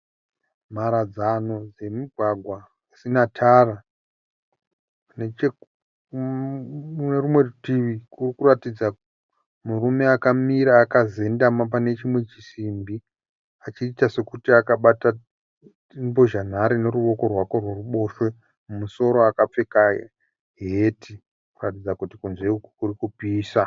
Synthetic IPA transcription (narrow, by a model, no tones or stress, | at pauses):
maɾad͡zano̞d͡ze̞miɡʱwaɡʱwa | isinatʰara | net͡ʃe | nerumwe̞rutiʋikurikuratid͡za | murume̞akamiɾaːkaze̞ndamap̬ane̞t͡ʃimwe̞t͡ʃisimbi | at͡ʃiːtase̞kutiakaɓata | bo̞ʒan̤aɾine̞ɾuʋo̞ko̞rwako̞rwe̞ruɓo̞ʃwe | mumuso̞ɾo̞akap͡fe̞kaḛ | ɦeti | kuratid͡zakutikunzeukukurikupiːsa